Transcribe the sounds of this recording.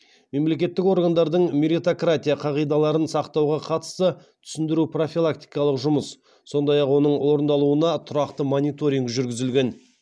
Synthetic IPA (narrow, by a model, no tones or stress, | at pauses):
me̞mle̞kʲe̞t̪ːɪko̞ɾɡand̪ɑɾd̪əɴmeɾit̪okrat̪ʲijaqʰɑʁijd̪ɑlˠɑɾənsɑqt̪ɑwʁɑqʰɑt̪ə̥st̪ə | t̪ʰʏ̥sɪnd̪ɪɾupro̞filˠakt̪i̥jkɑlˠəqʒʊməs | so̞nd̪ɑjɑqwo̞nəɴwo̞ɾənd̪ɑlˠuənɑt̪ʰʊɾɑqt̪əmonʲijt̪o̞ɾʲiŋɡʒʏɾɡʲɪzɪlɡʲe̞n